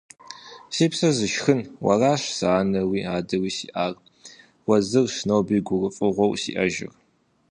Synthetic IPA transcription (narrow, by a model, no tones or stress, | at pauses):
siːpsɐzɨʃxɨnwɐ̰raːʃsaːnɐwiːaːdɐwiːsiːʔaːr | wɐzɨrʂnowbiːɡʷʊrɨfʼɨʁʷɔwsḭʔɐʒɪ̰r